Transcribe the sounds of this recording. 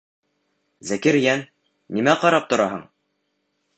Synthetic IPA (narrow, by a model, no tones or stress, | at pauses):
zækɘɾjæn | nimæqɑɾɑp̚t̪ŏɾɑɦɤɴ